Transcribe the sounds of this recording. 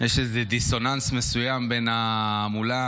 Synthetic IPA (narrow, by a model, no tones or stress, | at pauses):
jeʃezed̪iso̞nansme̞sujambe̞na | mula